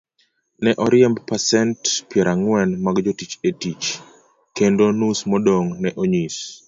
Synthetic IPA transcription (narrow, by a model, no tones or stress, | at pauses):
nɛʔɔɾɪɛmbpasɛntpjɛɾʔaŋwɛnmaɡd͡ʒotit͡ʃetit͡ʃ | kendonusmɔdoŋnɛʔoɲis